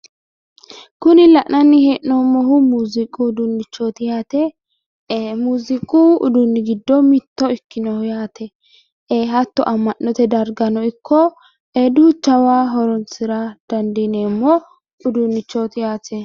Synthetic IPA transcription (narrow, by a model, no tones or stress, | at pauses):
kʊnɪlɐʔnɐnːɪheːʔnoːmːɔɦʊmuːzɪkʼud̪ʊnːɪt͡ʃːot̪ɪjaːt̪ɛː | muːzɪkʼuʊ̰d̪ʊnːɪɡɪd̪ːɔmɪt̪ːɔɪkːɪnɔhʊjaːt̪ʰɛ | eːɦɐt̪ːɔ̰ʔɐmːɐʔːɔt̪ɛd̪ɐɾɡɐnɔɪkʰːɔ | eːd̪ʊt͡ʃɐwaːɦɔɾɔnt͡sɪɾɐd̪̥ɐnd̪ineːmːɔ | ʊd̪ʊnːɪt͡ʃːot̪ɪjaːt̪ɛ